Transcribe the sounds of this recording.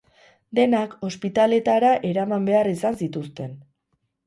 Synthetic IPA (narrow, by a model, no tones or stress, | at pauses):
d̪e̞nako̞spit̪ale̞t̪aɾaʔe̞ɾamambe̞arisansit̪ust̪e̞n